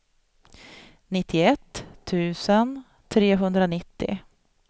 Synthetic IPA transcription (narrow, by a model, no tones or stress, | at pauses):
nɪt̪ʰːɪɛt̪ʰːʉ̟ːsən | t̪ʰɾeːɦɵnd̪ɾanɪt̪ːɪ̰